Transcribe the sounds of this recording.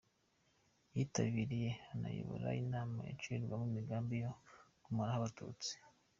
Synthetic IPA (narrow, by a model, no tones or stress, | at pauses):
jitaβiɾije̞ana̰jḭβo̰ɾa̰inaːma̰ḭt͡ʃiɾɡwamumiɡaːmbijokumaɾahaβatṵːt͡si̥